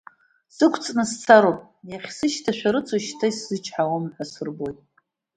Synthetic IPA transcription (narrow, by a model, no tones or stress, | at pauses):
sɨkʷʰt͡sʼnɨst͡sʰaɾopʼ | jaχʲsɨʃtʰaʃᶣaɾɨt͡sʷʰʼoʃtʰaiszɨt͡ʃʰʼħawamħʷasɨrbo̞jtʼ